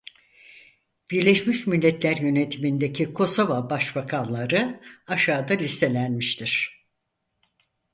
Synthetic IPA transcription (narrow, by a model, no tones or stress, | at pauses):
b̥iɾlʲeʃmiʃmilʲːɛt̪lʲæɾjø̞ne̞t̪ʰimind̪ecʰikʰo̞so̞vabaʃbakʰanlˠaɾɯaʃaːd̪alʲist̪ʰe̞lʲænmiʃt̪ʰiɾ̥